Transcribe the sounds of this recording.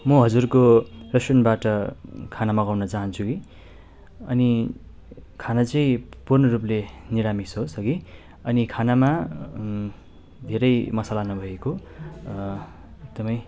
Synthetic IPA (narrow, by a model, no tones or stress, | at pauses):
mʌɦʌd͡zurkorʌsʌnbaʈʌkʰanamʌɡawnʌt͡saɦʌnt͡sʰuki | ʌ̰ni | kʰanat͡sʌĩpurnʌrup̬leniɾamisɦosʌɡi | ʌnikʰanama | d̪ʱeɾʌjmʌsalanʌbʱʌeko | ek̚d̪ʌmʌj